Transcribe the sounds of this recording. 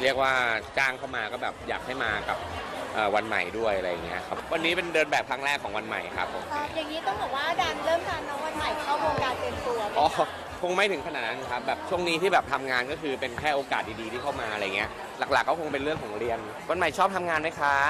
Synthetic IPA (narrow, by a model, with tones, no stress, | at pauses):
ɾi˥˩ək̚waː˥˩t͡ɕaː˥˩ŋkʰa˥˩wmaː˧kɔː˥˩bɛː˨˩p̚jaː˨˩k̚ha˥˩jmaː˧ka˨˩p̚ʔɤː˨˩wa˧nma̰˨˩jdu˥˩əjʔa˧ɾa˧jːa˨˩ŋḭ˦˥ɐ˧kʰa˦˥pwa˧nːiː˦˥pe˧ndɤː˧nbɛː˨˩p̚kʰɾa˦˥ŋɾɛː˥˩kʰːɔː˩˦ŋwa˧nma̰˨˩jkʰa̰˦˥pʰːo̰˨˩˦m˥ja˨˩ŋːiː˦˥t̪ɔ˥˩ŋbɔː˨˩k̚waː˥˩daː˧˩nlɤː˥˩mt̪ʰaː˧nːɔ˦˥wa˧˩t̪ʰa˧˩jkʰa˦˥˩wmo˧kaː˧npe˧nt̪u˧ɐʔɔː˨˩ | kʰo˧ŋma˥˩jt̪ʰɯ˩˦ŋkʰa˧naː˨˩na˧˥n˧kʰa˦˥p̚bɛː˨˩p̚t͡ɕʰu˥˩əŋniː˦˥t̪ʰiː˥˩bɛː˨˩p̚t̪ʰa˧mŋaː˧nkɔː˥˩kʰɯː˧pe˧nkʰɛː˥˩ʔoː˧kaː˨˩t̪̚iː˧diː˧t̪ʰiː˥˩kʰa˥˩wmaː˧ʔa˧ɾa˧ja˨˩ŋːi˦˥ɐ | la˨˩k̚laː˨˩kːɔ˥˩kʰo˧ŋpe˧nlɯ˥˩əŋkʰɔː˨˩˦ŋɾi˧ən | wa˧nma˨˩jt͡ɕʰɔː˥˩p̚t̪ʰa˧mŋaː˧nma˦˥jkʰa˦˥